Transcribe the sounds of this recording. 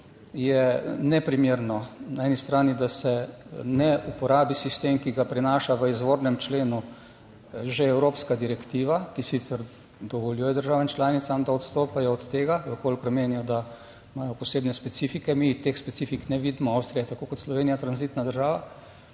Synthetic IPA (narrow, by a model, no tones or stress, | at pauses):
jɛnɛpɾimjeːɾnɔnaɛnist̪ɾaːnid̪asɛnɛupɔɾaːbisist̪emkiɡapɾinaːʃaʋəizʋoɾnɛmt͡ʃleːnu | ʒeɛwɾoːpskad̪iɾɛkt̪iːʋakisit̪səɾ | d̪ɔʋɔljuːjɛd̪əɾʒaːʋɛmt͡ʃlaːnit̪samd̪aɔt̪st̪oːpajɔːt̪ːeːɡaʋəkolkɾɔmeːnijɔd̪a | majɔpɔseːbnɛspɛt̪sifikɛmit̪exspɛsifiknɛʋid̪mɔawst̪ɾijɛt̪akokɔt̪slɔʋeːnijat̪ɾanzit̪nad̪əɾʒaːʋa